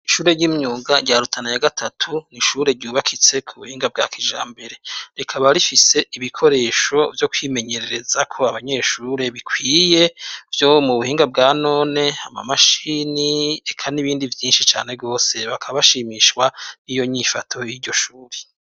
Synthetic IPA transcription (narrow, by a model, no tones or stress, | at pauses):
iʃuːɾe̞ɾɟiːmɲuːɡaɟaɾutʰanajaɡatʰatʰuniʃuːɾe̞ɾɟuːβakʰit͡se̞kʰuβuhiːŋɡab̚ɡa̰ːkiʒa̰ːmbe̞ɾe̞ɾekʰaβaɾifise̞iβikʰo̞ɾe̞ːʃo̞vjo̞kwiːme̞ɲe̞ɾe̞ɾe̞zakʰo̞aβaɲe̞ːʃuːɾe̞βikwiːje̞vjomuβuhiːŋɡabɡaːno̞ːne̞hama̰maʃiːniekʰaniβiːndivjiːnʃit͡ʃa̰ːne̞bɡo̞ːse̞βakʰaβaʃiːmiːʃkwanijo̞ɲifatʰo̞jiːɾɟo̞ʃuːɾe